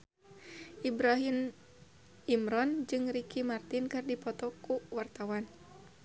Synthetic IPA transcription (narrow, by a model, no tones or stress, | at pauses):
ʔibɾaɦin | imɾɔnd͡ʒɨŋɾikimart̪inkɨrdipɔt̪ɔkuwart̪awan